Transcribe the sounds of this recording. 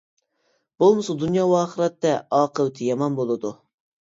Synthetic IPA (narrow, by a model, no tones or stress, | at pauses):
b̥olˠmɨsɑd̪unjɑːwɑːχəɾɛt̪ːɛɑːqəwt̪ʰɪjɑmɑnbolˠɨd̪u